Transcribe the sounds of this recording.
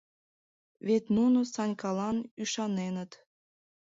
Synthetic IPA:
βet̪nunosɑnʲkɑlɑnyʃɑnenət̪

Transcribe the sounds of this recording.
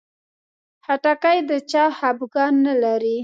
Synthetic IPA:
haʈakajd̪ət͡ʃɑhabɡɑnːalaɾi

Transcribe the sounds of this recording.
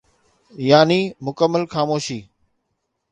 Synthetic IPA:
jaːniːmʊkəmːəlxaːmoːʃiː

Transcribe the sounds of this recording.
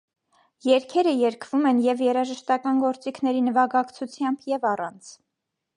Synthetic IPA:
jɛɾkʰɛɾəjɛɾkʰvumɛnjɛvjɛɾɑʒəʃt̪ɑkɑnɡɔɾt͡sikʰnɛɾinəvɑɡɑkt͡sʰut͡sʰjɑmbjɛvɑrɑnt͡sʰ

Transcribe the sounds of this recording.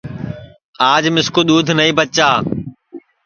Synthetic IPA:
aːd͡ʒmɪskoːɗ̪uːd̪ʱnəĩːbət͡ʃaː

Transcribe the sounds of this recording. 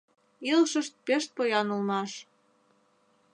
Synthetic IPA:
ilʃə̆ʃt̪̚peʃt̪̚pojɑnulmɑʃ

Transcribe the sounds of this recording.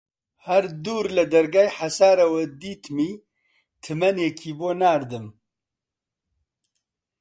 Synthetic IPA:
hɐɾd̪uːɾlɨd̪ɐɾɡaːjħasaːɾɐwɛd̪iːt̪miː | t̪ʰɨmɛnekʰiːboːnaːɾd̪ɨm

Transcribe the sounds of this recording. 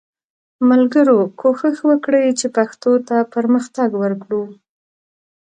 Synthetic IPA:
malɡəɾokʰoxəxwəkɽəjt͡ʃepaxt̪ot̪apəɾməxt̪aɡwəɾkɽu

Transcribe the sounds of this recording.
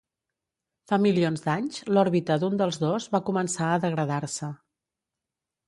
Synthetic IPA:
familionzd̪aɲzlɔɾβit̪əd̪und̪əlˠzðozβakumənsaəðəɣɾəðaɾsə

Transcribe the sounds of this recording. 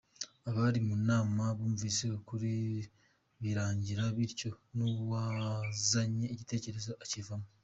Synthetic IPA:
aβaɾimunaːmaβoːmuviːseokuɾi | βiɾaːɲɟiɾaβiɾco̞nowazaɲeːcite̞ːce̞ɾe̞zaʔːcivamu

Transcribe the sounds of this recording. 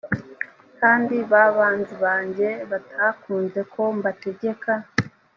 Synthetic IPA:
kaːndiβaβaːnziβaːɲɟe̞βatʰakuːnze̞kʰo̞mbate̞ɟe̞ka

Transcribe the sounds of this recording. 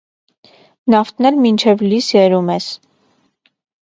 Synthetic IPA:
nɑft̪ʰnɛɾmint͡ʃʰɛvlisjɛɾumɛs

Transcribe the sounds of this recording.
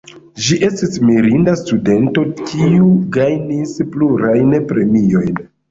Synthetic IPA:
ʒiʔe̞stismiɾindastude̞nto̞kʰiuɡajnispluɾajnpɾe̞mio̞jn

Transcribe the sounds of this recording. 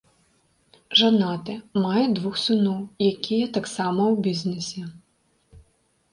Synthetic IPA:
ʐanat̪ɨmajɛd̪vuxsɨnɔwjakʲijɐt̪aksamɐwbʲiznɛsʲɛ

